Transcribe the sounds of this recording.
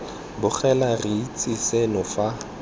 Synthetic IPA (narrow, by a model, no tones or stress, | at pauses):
bʊχʰɛlariit͡sʼisɛnʊfa